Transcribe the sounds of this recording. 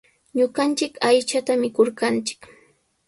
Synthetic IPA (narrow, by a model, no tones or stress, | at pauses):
ɲʊɢɑnt͡ʃɪkajt͡ʃat̪amɪkoɾkant͡ʃɪ̥k